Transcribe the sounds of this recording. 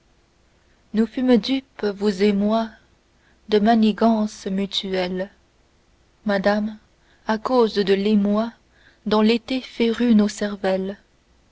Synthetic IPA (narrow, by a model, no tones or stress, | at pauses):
nufymd̪ypvuzemwa | d̪əmaneɡɑ̃smyt̪yɛl | mad̪am | akozd̪əlemwa | d̪ɔ̃let̪efɛʁynosɛʁvɛl